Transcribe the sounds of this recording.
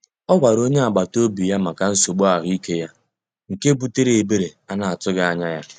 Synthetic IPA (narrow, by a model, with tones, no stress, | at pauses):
ɔ˦ɡa˨ɾo˦ɲe˦a˨ɡ͡ba˨to˦bi˨ja˦ma˨ka˨n̩˦so˨ɡ͡bo˦a˨ɦʊ˦i˦ke˦ja˦ | ŋ̩˨ke˦bu˦te˦ɾe˨e˨be˦ɾe˨a˦na˨a˨tʊ˦ɡa˦a˨ɲa˦ja˦